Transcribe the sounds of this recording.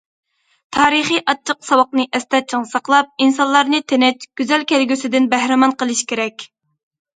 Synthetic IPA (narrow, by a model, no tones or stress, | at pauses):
t̪ʰɑːɾɨχiʔɑt͡ʃʰːəqsɑwɑq̚nɨʔɛst̪ɛt͡ʃʰɪŋsɑqlˠɑp̚insɑnllˠɑɾnɨt̪ʰenɛt͡ʃɡ̥ʲyzɛlkʲʰælɡʲysɪd̪ɪnbæhɾɪmɑnqəlˠɨʃkʲʰeɾɛkʲ